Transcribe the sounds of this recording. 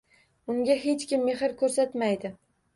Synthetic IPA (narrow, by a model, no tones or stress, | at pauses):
ʊŋɡʲaɦe̞t͡ʃkʲɪmːe̞ɦɪɾkʰɵɾsat̪majd̪ɪ